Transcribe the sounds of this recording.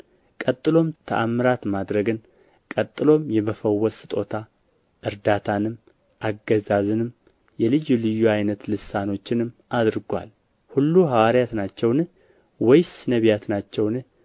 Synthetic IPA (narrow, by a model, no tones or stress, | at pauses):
kʼət̪ʼːɨlo̞mt̪ʰə̰ʔamːɨɾat̪mad̪ɾəɡɨn | kʼət̪ʼːɨlo̞mjɛməfəwːɔsɨt̪ʼo̞t̪ʰa | ʔɨɾd̪at̪ʰanɨm | ʔaɡːəzazɨnɨm | jɛlɨjulɨjːuajnət̪lɨsano̞t͡ʃːɪnɨmad̪ɾɡʷa̰l | hulːuɦawaɾjat̪nat͡ʃːɛwn | wɔjsɨnəβjat̪nat͡ʃːɛwnɨ